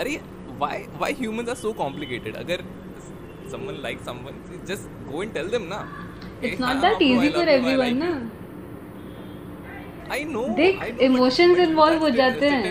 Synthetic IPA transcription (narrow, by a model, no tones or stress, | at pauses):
ɐɾe | ʋaɪʋaɪɦjuːmə̃nsaɾsoːkɔ̃mplɪkeːʈɪɖɐ̰ɡəɾ | sɐ̃mʋə̃nlaɪksɐ̃mʋə̃nɪd͡ʒɐsʈ | ɡoːɛ̃ɳʈɛld̪ẽmna | ɪsnɔʈ̚d̪æʈiːzifɔɾɛvɾiʋə̃nːa | aɪnod̪eːkɪmoːʃə̃nzɪ̃nʋɔːlʋɦod͡ʒaːt̪eɦɛ̃